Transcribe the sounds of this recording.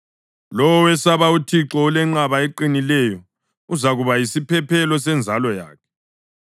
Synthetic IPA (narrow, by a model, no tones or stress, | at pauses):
lɔwɔwɛsaβautʰiǁɔulɛŋ͡ǁaβaeǃinilɛjɔ | uzaɣuβajisipʰɛpʰɛlɔsɛnd͡zʱalɔja̰ːkʰɛ̥